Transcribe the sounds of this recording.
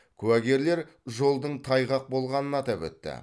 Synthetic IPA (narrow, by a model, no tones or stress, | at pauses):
kʲʰʉæɡʲe̞ɾle̞ɾ | ʒo̞lˠd̪əɴt̪ʰɑjʁɑq̚bo̞lˠʁɑnənɑt̪ɑpɵ̰t̪ːɪ̰